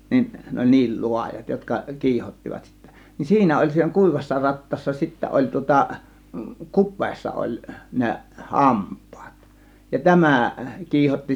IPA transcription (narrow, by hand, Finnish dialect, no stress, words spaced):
nin ne olʲ niːl lu̞ɑjɑt jotkɑ kiːhotːiʋɑt sitːæ nin siːnæ olʲ siːnæ kuˑiʋɑsːɑ rɑtːɑːsːɑ sitːæ olʲ tŭŏtɑ kupˑeːsːɑ olʲ ne hɑmpˑɑ̥ːt jɑ tæmæˑ kiːhotːi